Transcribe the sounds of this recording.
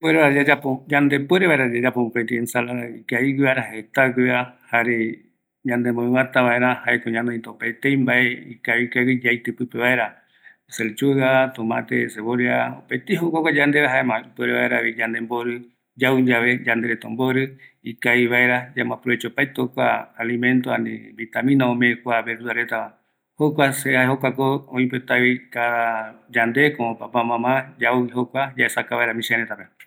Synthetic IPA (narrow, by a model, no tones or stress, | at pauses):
pweɾeβaad͡ʒapod͡ʒand̪e̞pweɾeβaeɾad͡ʒad͡ʒapopet̪iensalaɾaikaiɡiβaeɾahet̪aɡɨahaɾe | ɲãnd̪emõĩwãt̪aβaeɾãhaekoɲãnõĩt̪opat̪ejmbaʔeikaβikaɡid͡ʒajt̪ɨpɨpeβaeɾa | selt͡ʃuat̪õmã̰t̪ḛseβoɾiao̰pet̪iɦokakʷad͡ʒand̪eɾaɦaemãipweɾeβa̰eɾaβid͡ʒãnd̪emboɾɨ | d͡ʒawɲd͡ʒaβe̞d͡ʒãnd̪eɾet̪omboɾɨikaiβaeɾad͡ʒamãpɾoet͡ʃopajt̪okʷaːlimẽnt̪oanḭ̃βit̪amĩnãõmekʷaβeɾuaɾet̪amã | hokʷasehaeɦokʷakoõĩpet̪aβikaðad͡ʒand̪e̞kõpapamãmãd͡ʒawiɦokʷad͡ʒaesakaβaeɾamĩʃaɾet̪ape